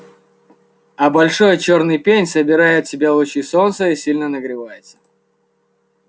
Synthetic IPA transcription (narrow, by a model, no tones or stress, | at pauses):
ɐbɐlʲʂo̞jət͡ɕo̞rnɨjpʲenʲsəbʲɪɾajɪt̪̚tːʲɪbʲelˠʊt͡ɕiso̞nt̪səisʲilʲnənəɡɾʲɪvajɪt̪sə̥